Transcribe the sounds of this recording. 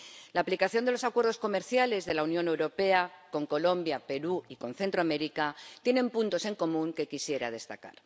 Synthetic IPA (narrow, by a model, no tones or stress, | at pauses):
laːplikaθjond̪elo̞sakwe̞ɾð̞o̞sko̞me̞ɾθjale̞zðe̞launjõ̞ne̞wɾo̞pe̞ako̞ŋko̞lo̞mbjape̞ɾuikõ̞nθe̞nt̪ɾoame̞ɾikat̪je̞nẽ̞mpunt̪o̞se̞ŋko̞mũŋke̞kisje̞ɾa̰ð̞e̞st̪aka̰ɾ